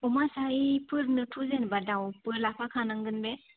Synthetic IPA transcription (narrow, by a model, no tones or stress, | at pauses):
ɔmasaipʰɯɾnɯtʰuzenbadawpɯɾlapʰakʰanaŋɡɯnbe